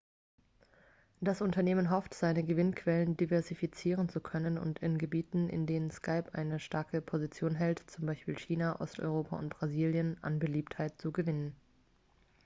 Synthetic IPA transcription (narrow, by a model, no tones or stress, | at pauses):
d̥asʔʊntɐneːmənɦɔftz̥aɪnəɡəvɪnkʰv̥ɛləndivɛɐzifit͡siːʁənt͡sukʰœnənʊ̰ntɪnɡəbiːtn̩ʔɪ̰ndeːnənskʰaɪpʔa̰ɪnəʃtaɐkəpʰozit͡sjoːnɦɛltt͡sʊmbaɪʃpiːlçiːnaʔɔ̰stʔɔ̰ʏʁ̞oːpʰa̰ʊ̰nt̚b̥ʁ̥aziːljənʔa̰nbəliːpthaɪt̚t͡suɡəvɪnən